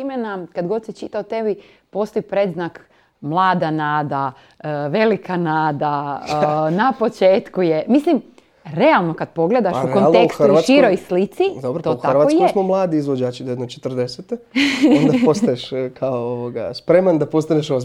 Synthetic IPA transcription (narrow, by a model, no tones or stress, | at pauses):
imenakad̪ɡo̞d̪sit͡ʃit̪aot̪e̞bi | po̞st̪oipɾed̪znak | mlˠaːd̪anaːd̪a | ʋe̞likanaːd̪a | napo̞t͡ʃeːt̪kujemislim | ɾe̞alˠno̞kad̪̚po̞ɡle̞d̪aʃuɾkonlˠneksxuaʃiːɾojslit̪sid̪obɾoouxaɾʋatoskjuesmomlˠaːd̪iːzʋod͡ʒaːt͡ʃid̪oed̪not͡ʃet̪ərd̪eset̪eond̪aost̪ajeʃkʰaooʋoɡa̰spɾemand̪apo̞st̪aneʃo